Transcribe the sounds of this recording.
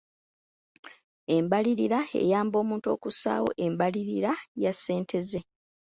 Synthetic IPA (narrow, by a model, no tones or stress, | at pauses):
e̞mbaliɾiɾae̞̰jaːmbo̞ːmuːnto̞ːkusa̰ːwo̞̰ʔe̞mbaliɾiɾajasːe̞ːntʰe̞ze̞